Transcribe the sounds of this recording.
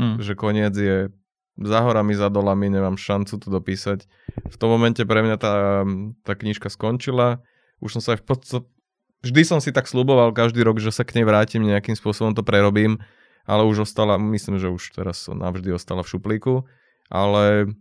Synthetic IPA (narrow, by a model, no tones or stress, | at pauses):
ʒɛkɔɲɪɛd͡zjɛ | zaɦɔɾamizad̪ɔlamiɲɛmaːmʃant͡sut̪ɔd̪ɔpiːsac | ft̪ɔmːɔmɛncɛpɾɛmɲat̪at̪aːkɲiʃkaskɔɲt͡ʃila | ṵʃsɔmsaajpɔt͡stt̪at | vʒd̪isɔmsit̪akslubɔʋalkaʒd̪iːɾɔɡʒɛsakɲɛjʋɾaːcimɲɛakimspʊɔsɔbɔmt̪ɔpɾɛɾɔbiːm | ʔa̰lɛuʒɔst̪alamisliːmʒɛuʃt̪ɛ̰ɾasːɔ̰mna̰vʒd̪iɔst̪alafʃupliːku | ʔa̰lɛ